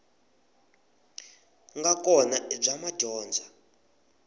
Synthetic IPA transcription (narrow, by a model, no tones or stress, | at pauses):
ŋɡakɔnab͡ʐamaɟ̥ʱɔːnd͡zʱa